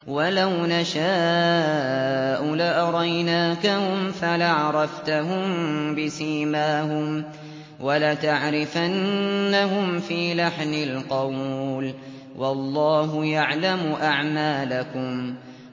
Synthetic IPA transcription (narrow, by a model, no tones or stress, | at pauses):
walawnaʃaː | ʔʊlaʔɑɾˤɑjnaːkahʊmfalaʕɑɾˤɑft̪aɦʊmbɪsiːmaːhʊm | walat̪aʕɾɪfanːaɦʊmfiːlaħnɪlqɑwl | wʔɑlˤːɑːɦʊjaʕlamʊʔaʕmaːlakʊm